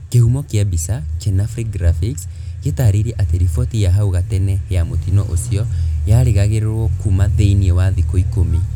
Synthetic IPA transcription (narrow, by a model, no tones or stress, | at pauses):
kehumɔkeabisat͡ʃɛnafɾikɡɾafiks | ketaːɾeɾɛʔateɾifɔtijaɦauɣatɛnɛjamotinɔʔosiɔjaɾeɣaɣeɾeɾwɔkumateiniewaðikoikomi